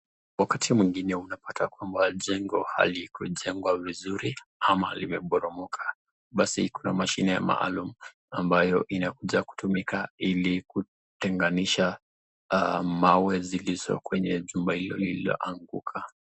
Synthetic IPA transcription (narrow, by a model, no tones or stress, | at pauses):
wakatʰimwiŋɡinɛunapatakwambaʄɛŋɡɔha̰likuʄɛŋɡwavizuɾiamahalimɛɓɔɾɔmɔkʰḁ | ɓasikuna̰maʃinɛja̰ma̰ʔa̰lumu | ambajɔʔinakuʄaku̥tumikailiku | tɛŋɡaniʃa | mawɛziliz̥ɔ̰kwɛɲɛʄumbahilɔliliɔ̰ʔaŋɡukʰa